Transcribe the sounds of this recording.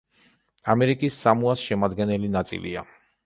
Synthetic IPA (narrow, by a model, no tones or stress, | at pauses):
amɛɾikʼisːamuasʃɛmad̪ɡɛnɛlinat̪sʼḭlḭa